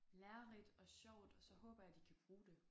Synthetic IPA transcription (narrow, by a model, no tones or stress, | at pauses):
læɐlid̥ɒ̽ɕɒʊ̰d̥ɒsɒ̽ɦɔ̽ːb̥ɐjɑ̈d̥ikʰæb̥ʁuːd̥e̝